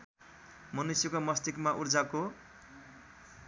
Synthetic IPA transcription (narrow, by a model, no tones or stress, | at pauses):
mʌnusjʌkomʌst̪ikmaʔurd͡zako